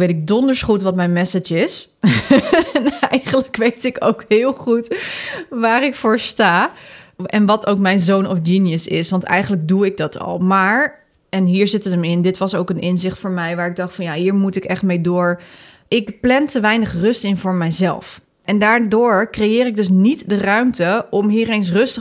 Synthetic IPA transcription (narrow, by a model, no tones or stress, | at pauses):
ʋejtɪɡ̚dɔndəɹsχutʋɑtmɛjnmɛsəd͡ʒɪs | ɛnɛjχənləkʋejtɪkowkhɪːlˠχut | ʋaːrɪkfʊːɹstaː | ɛnʋɑtowkmɛjnzownɔfd͡ʒiːnijəsɪ̰sʋɑntɛ̰jχənləɡ̚duɪɡ̚dɑtʰɑ̰lˠmaːɹ | ɛnɦiːɹzɪtətəmɪndɪtʋɑsowkənɪnzɪχtfʊːɹmɛjʋaːɹɪɡ̚dɑχtfɑnjaɦiːɹmutɪkɛχtmejdʊːɹ | ʔɪkplɛntəʋɛjnəχrɵstɪnvʊːɹmɛjzɛ̰lˠf | ɛndaːɹdʊːɹkrejɪːɾɪɡ̚dɵs̬nitdərœɥmtəɔmɦiːɾejns̬rɵstə